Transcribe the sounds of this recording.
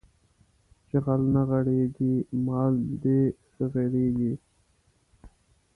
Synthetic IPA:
t͡ʃeɣalnaɣaɽeɡimɑːld̪esəɣeɽeːɡi

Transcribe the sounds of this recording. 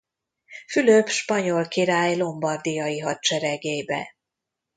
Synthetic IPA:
fyløpʃpɒɲo̞lkiɾaːjlo̞mbɒrd̪ijɒjiɦɒt̪̚t͡ʃɛɾɛɡeːjbɛ̰

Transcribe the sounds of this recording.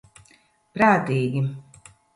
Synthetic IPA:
pɾaːt̪iːɡʲi

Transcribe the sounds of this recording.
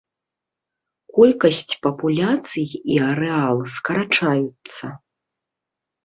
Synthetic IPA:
kɔlʲkɐsʲt͡sʲpɐpulʲat̪sɨjiɐɾɛalˠɨskɐɾat͡ʂajut̪sɐ

